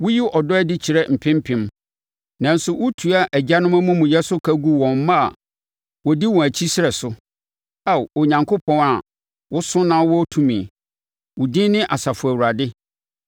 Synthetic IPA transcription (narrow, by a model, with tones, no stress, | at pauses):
wʊ˦ji˦ʔɔ˨dɔ˦ɛ˦dɪ˦t͡ɕʰi˨ɾɛ˦m̩˨pʰɪ̃˦m˦pʰɪ̃˨m | nã˨n̩˦sʊ˨wʊ˦tʰu˨a˦ʔæ˨d͡ʑa˦nʊ̃˦mæ̃˦mũ˦mũ˨jɛ˦sʊ˦kʰæ˦ɡu˦wɔ̃˨m˦mã˦a̰˨ | wɔ˨di˦wɔ̃˨æ˨t͡ɕʰi˦sɪ˦ɾɛ˨sʊ˦ | a˦˨wo˨ɲã˨ŋkʰʊ˦pʰɔ̃˦na˨ | wʊ˦sʊ̃˦nã˦wɔ˦tʰũ˦mĩ˨ | wʊ˨dĩ˦nɪ̃˦ʔa˨sa˨fʊ˨æ˨wu˨a˨dɪ˦